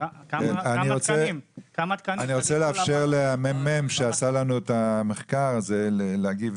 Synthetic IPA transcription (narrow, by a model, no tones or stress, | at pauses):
aniʁot͡se | naniʁot͡seleafʃeʁleamemːemʃeasalanuetameχkaʁazeleleaɡiv